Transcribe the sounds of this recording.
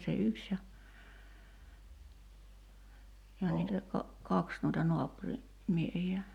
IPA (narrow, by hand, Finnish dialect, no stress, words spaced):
se yks jɑ jɑ niːtæ kɑ kɑks nuitɑ noɑpuri miehiæ